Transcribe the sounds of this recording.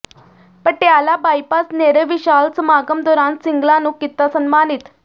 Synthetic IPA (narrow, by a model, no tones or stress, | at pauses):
pəɳʈ̪jalabajpasneɾəʋiɕalt͡səmaɡəmd̪ɔɾãnsiŋɡlanuːkit̪ːasənmanit̪